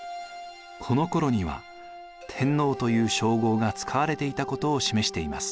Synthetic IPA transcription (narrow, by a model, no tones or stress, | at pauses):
kʰo̞no̞ko̞ɾo̞ɲ̟iβa̰ | t̪ʰẽ̞nːo̞ːt̪o̞jɯ̟ːɕo̞ːɡo̞ːɡat͡sɨ̥kʰaβaɾe̞t̪e̞it̪ako̞t̪o̞ːɕime̞ɕi̥t̪e̞imasɨ̥